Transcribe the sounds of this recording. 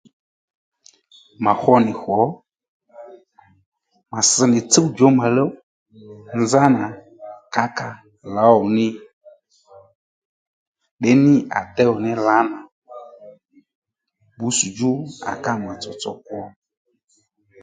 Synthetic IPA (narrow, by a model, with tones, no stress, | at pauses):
ma˨hɔ˦nɪ˨xɔ˨˦ | ma˨sə˨˦nɪ˨t͡sə˦wd͡ʒɔ˨˦ma˨lə˦ | n˦za˦na˨ | ka˦ka˨ | la˨˦ɔ˨nɪ˦ | ɗɛ˦nɪ˦a̰˨tɛ˦ɔ˨nɪ˦la˨˦na˨ | bu˨˦su˨d͡ʒu˦a̰˨ka˦˨m˨a˨t͡sɔ˨t͡sɔ˨kwɔ˦